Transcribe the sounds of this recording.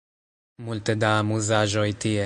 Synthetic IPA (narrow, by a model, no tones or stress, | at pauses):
mult̪ed̪aːmuzaʒojt̪ije